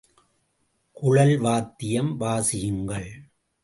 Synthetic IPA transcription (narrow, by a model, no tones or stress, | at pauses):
kʊɻɐlʋaːt̪ːɪjɐmʋaːsɪjɯŋɡɐɭ